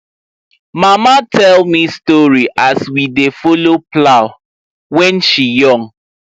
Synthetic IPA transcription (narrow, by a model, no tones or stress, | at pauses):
mamatʰɛlmistɔɹiʔaswidefoloplaʊ | wɛ̃nʃijɔ̃ŋ